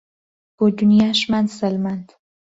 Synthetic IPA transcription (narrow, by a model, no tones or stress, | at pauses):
b̥od̪unijaʃmand̪səlmand̪